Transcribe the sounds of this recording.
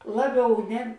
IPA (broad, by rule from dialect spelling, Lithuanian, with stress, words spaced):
ˈlˠɑːˌbʲɛʊ ˈnʲɛ